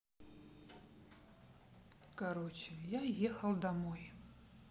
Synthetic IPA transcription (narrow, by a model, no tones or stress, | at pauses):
kaɾɔt͡ʃɪjajexɐlˠd̪amɔj